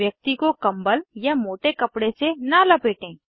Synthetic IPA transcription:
jək̚t̪ikokɐ̃mbəljamoːʈekɐpɽesenalɐpeːʈẽː

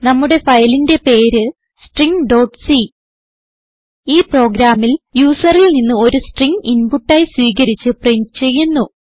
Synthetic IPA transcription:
nɐmːuɽe̞fɐjlinde̞pe̞ːɾɨ | sʈriŋɖo̞ːʈsi | iːpro̞ːɡɾaːmːiljuːsɐrilninːɨo̞ɾusʈriŋɡinpuʈːaːjiswiːɣɐɾit͡ɕːɨpreɲt͡ɕe̞jːunːu

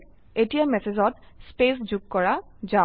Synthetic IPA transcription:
etijamɛsezɔt | spesd͡ʑuɡ̚kɔɹa | za

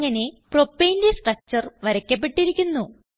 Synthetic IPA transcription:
ŋːɐne̞pro̞pːejnde̞sʈrɐk̚t͡ɕɐrʋɐɾɐkʲːɐp̬ːe̞ʈːiɾikʲːunːu

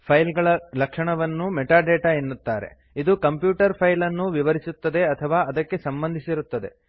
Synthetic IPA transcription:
pʰɐjlɡɐɭɐlɐkʂɐɳɐʋɐnːumɛʈaːɖeːʈaenːut̪ːaːɾe̞̰ | id̪ukɐmpjuːʈɐɾpʰɐjlɐnːuʋiʋɐɾisut̪ːɐd̪e̞ɐt̪ʰɐʋaːɐd̪ɐkːe̞sɐmbɐnd̪ʱisiɾut̪ːɐd̪e̞̰

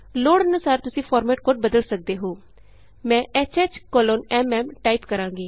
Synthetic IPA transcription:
loːɽənəsaːɾt̪ʊsĩːpʰɔːɾmɛːʈ̚koːʈ̚bəd̪əlsək̚d̪eːɦoː | mɛ̃ːʔɛːt͡ʃɛːt͡ʃkoːloːnɛːmɛːmʈaːipkəɾãːɡiː

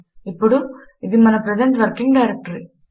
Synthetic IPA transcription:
ɪpːɔɽum | ɪðimɐnɐpɾɛd͡ʒɐɳʈʋɐɾkɪŋɡɖɐɪɾɛk̚ʈɐɾi

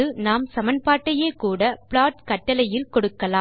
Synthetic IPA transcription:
ɯnaːmsɐmɐnpaːʈːɐjeːkuːɽɐpɭaːʈkɐʈːɐlɐjɪlkɔɽɯkːɐlaː

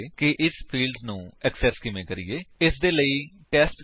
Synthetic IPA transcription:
kɪʔɪspʰiːlɖnũːɛksɛskɪʋẽːkəɾḭːeːɪsd̪eːləiː | ʈɛːsʈ

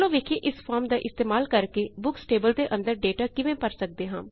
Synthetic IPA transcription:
lõːʋeːkʰieːʔɪspʰaːɾmd̪aːʔɪst̪eːmaːlkəɾkeːbʊksʈeːbəld̪eːʔə̃nd̪əɾɖeːʈaːkɪʋẽːpəɾsək̚d̪eːɦãː

